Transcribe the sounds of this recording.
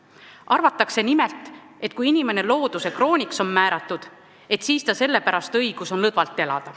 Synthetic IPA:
ʔɑrvɑt̪ːˑɑkse̞nime̞lt̪ˑ | e̞t̪̚ːkujinime̞ne̞lo̞ːd̪̥usekro̞ːnʲikso̞nmæːɾɑt̪ːˑud̪̥ | e̞t̪siːst̪ɑse̞lːe̞pæɾɑst̪ɤjɡ̥uso̞nlɤd̪vɑlt̪ːˑe̞lɑ̰d̪̥ɑ

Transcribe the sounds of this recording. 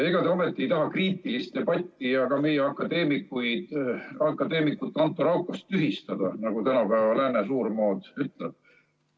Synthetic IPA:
eɡ̥ɑd̪eomet̪ˑːiejt̪ɑɦɑkriːt̪ːˑilist̪ːe̞b̥ɑt̪ʲːijɑkɑme̞jeɑkːɑd̪e̞ːmikːujd̪̥ɑkːˑɑd̪e̞ːmikːˑut̪ːˑɑnt̪ːˑoɾɑwkːˑɑst̪ːyɦist̪ɑd̪̥ɑ̰nɑɡ̥ut̪ænɑpæːvɑlæːnesuːrmo̞ːd̪̥yt̪ːˑleb̥̚

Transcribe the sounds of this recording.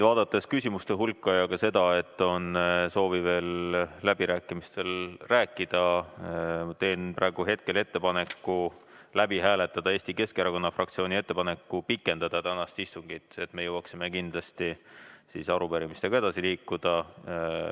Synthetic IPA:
vɑːd̪̥ɑt̪ːˑeskysʲimust̪e̞ɦulkːɑjɑkɑse̞d̪̥ɑe̞t̪ːˑo̞nso̞ːvive̞ːlːæb̥iɾæːkːˑimist̪e̞lræːkːˑid̪̥ɑ | t̪e̞ːnpræːɡ̥uɦe̞t̪̚ke̞le̞t̪ːe̞pɑne̞kːˑu | læbiɦæːle̞t̪ːˑɑd̪ɑeːsʲt̪ike̞skeɾɑko̞nːɑfrʔɑkt̪sioːnʲie̞t̪ːe̞pɑne̞kːupikˑːe̞nd̪̥ɑd̪ɑt̪ænɑst̪ist̪uŋɡ̥it̪ːˑe̞t̪me̞jɤwɑksimekind̪̥lɑst̪isisɑɾupeɾimist̪e̞ɡ̥ɑe̞d̪ɑsiliːkːud̪̥ɑ

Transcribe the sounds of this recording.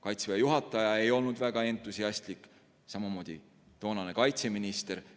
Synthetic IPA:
kɑjt̪svejɑjuɦɑt̪ːˑɑjɑe̞jo̞lnud̪̥væɡ̥ɑe̞nt̪ːˑusiɑsʲt̪likˑ | sɑmumo̞ːd̪̥ʲḭ | t̪o̞ːnɑnekɑjt̪se̞minist̪e̞ɾ

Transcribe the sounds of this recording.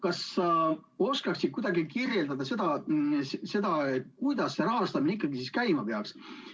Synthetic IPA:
kɑsːɑo̞skɑksid̪̚kujd̪̥ɑɡikirje̞ld̪ɑd̪̥ɑse̞d̪̥ɑsse̞d̪ɑet̪̚ːkujd̪̥ɑsːeɾɑɦɑst̪ɑmineikːˑɑɡisiskæjmɑpeɑks

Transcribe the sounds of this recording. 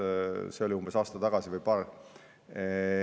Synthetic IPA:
seo̞liumb̥e̞sɑːst̪ɑt̪ɑɡ̥ɑsivɯjpɑːr

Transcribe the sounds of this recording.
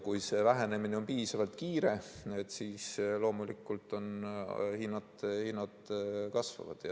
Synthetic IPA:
kujse̞væɦene̞mineo̞npiːsɑvɑlt̪kiːɾe̞e̞t̪ːsiːslo̞ːmulikːˑult̪ˑo̞nhinːɑt̪hinːɑd̪̥kɑsvɑ̰vɑ̰d̪̥jɑ

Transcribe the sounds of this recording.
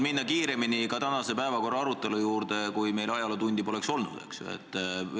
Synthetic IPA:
minːɑkiːɾe̞minikɑt̪ænɑse̞pæe̞vɑko̞rːɑɑɾut̪ːˑe̞lujuːɾd̪̥e̞kujme̞jlɑjɑlɑt̪unʲd̪̥ipo̞le̞kso̞lnṵd̪̥ḛksuḛt̪ːˑ

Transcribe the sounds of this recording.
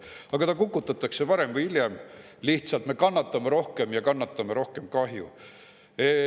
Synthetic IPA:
ɑɡ̥ɑt̪ɑkukːut̪ːˑɑt̪ːˑɑkse̞vɑɾe̞mvɯjilʲjem | liht̪sɑlt̪me̞kɑnːɑt̪ːˑɑmeɾo̞hke̞mjɑkɑnːɑt̪ːˑɑmeɾo̞hke̞mkɑɦjṵ | e

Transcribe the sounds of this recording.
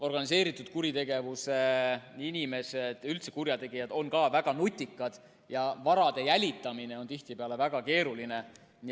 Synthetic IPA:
o̞rɡ̥ɑnis̬e̞ːɾit̪ːˑud̪̥kuɾit̪e̞ɡ̥e̞vuseinʲime̞se̞d̪̥ylt̪se̞̥kuɾjɑt̪e̞ɡijɑd̪̥o̞nkɑːvæɡ̥ɑnut̪ʲːˑikːˑɑd̪̥ | jɑvɑɾɑd̪e̞jælʲit̪ːˑɑmine̞o̞nt̪iht̪ipeɑle̞væɡ̥ɑke̞ːɾuline̞

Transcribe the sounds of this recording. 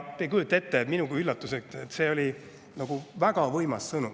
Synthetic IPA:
t̪ːejkujut̪ːˑe̞t̪ːeminuɡ̥uylːɑt̪ːˑuseket̪ːˑse̞o̞lʲi | nɑɡ̥uvæɡ̥ɑvɤjmɑssɤnu

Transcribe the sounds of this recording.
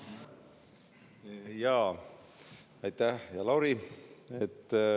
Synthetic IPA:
jɑː | ɑjt̪æhjɑlɑwɾiet̪ː

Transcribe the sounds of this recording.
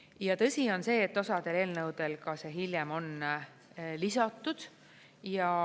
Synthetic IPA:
jɑt̪ɤ̞sʲio̞nse̞ːt̪ːosɑd̪̥e̞le̞ːlnɤwd̪̥e̞lkɑse̞ɦiljemo̞n | lisɑt̪ːˑud̪̥ | jɑ

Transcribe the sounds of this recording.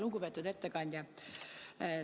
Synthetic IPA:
luɡupe̞t̪ːˑud̪e̞t̪ːekɑnʲd̪̥ʲjɑ

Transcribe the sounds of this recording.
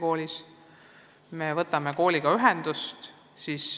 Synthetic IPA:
ko̞ːlʲis | me̞vɤt̪ːˑɑmeko̞ːlʲiɡ̥ɑyɦɛnd̪̥ust̪ | siːs

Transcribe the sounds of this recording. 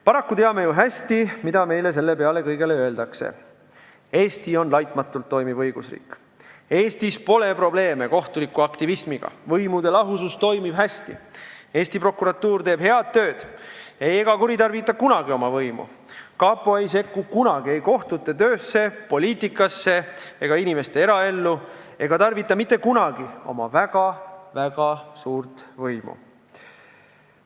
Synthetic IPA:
pɑɾɑkːut̪e̞ɑme̞juɦæsʲt̪imid̪ɑme̞jle̞s̬e̞lːe̞peɑle̞kɤjɡe̞leø̞e̞ld̪ɑksḛ | e̞ːst̪io̞nlɑjt̪mɑt̪ːˑult̪ːo̞jmiv̥ɤjɡ̥usrḭːkːˑ | e̞ːst̪ispo̞le̞pro̞ble̞ːme̞ko̞ht̪ulikːˑuɑkt̪ivismiɡ̥ɑ̰vɤjmud̪e̞lɑɦusust̪o̞jmib̥ɦæst̪ḭe̞ːsʲt̪ipro̞kːˑuɾɑt̪ːuːrt̪eːb̥he̞ɑd̪̚t̪ːø̞ːd̪̥eje̞ɡ̥ɑkuɾit̪ɑrvit̪ːˑɑkunɑɡio̞mɑvɤjmṵ | kɑːpːˑoejse̞kːukunɑɡie̞jko̞ht̪ut̪ːˑet̪ø̞ːsːe̞po̞lʲiːt̪ˑikːˑɑsːe̞eɡ̥ɑinime̞st̪e̞eɾɑe̞lːue̞ɡ̥ɑt̪ɑrvit̪ːˑɑmit̪ˑːe̞kunɑɡ̥io̞̰mɑ̰væɡ̥ɑvæɡ̥ɑsuːrt̪vɤjmṵ

